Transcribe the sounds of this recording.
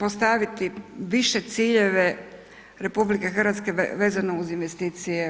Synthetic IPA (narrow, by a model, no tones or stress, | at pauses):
post̪aʋit̪iʋiʃe̞t̪siːʎe̞ʋe | ɾe̞publike̞xr̩ʋat̪ske̞ʋe̞ːzanouzinʋe̞st̪iːt̪sije